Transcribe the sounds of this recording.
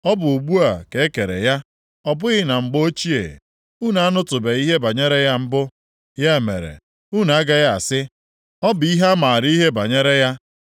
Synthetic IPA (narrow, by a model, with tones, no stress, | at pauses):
ɔ˦bʊ˨u˨ɡ͡bu˦a˨ke˦e˦ke˨ɾḛ˨ja˦ | ɔ˦bʊ˦ɣɪ˦na˨ŋ͡m̩˨ɡ͡bo˦o˦t͡ʃi˦ḛ˨ | u˦na˨a˦nʊ˦tʊ˨be˨i˦ɦe˦ba˨ɲe˦ɾe˦ja˦m̩˦bʊ˦ | ja˦e˨mḛ˨ɾḛ˨ | u˦na˨a˦ɡa˦ɣa˦a˨sɪ˦ | ɔ˦bi˦ɦe˦ma˨ɾi˦ɦe˦ba˨ɲe˦ɾe˦ja˦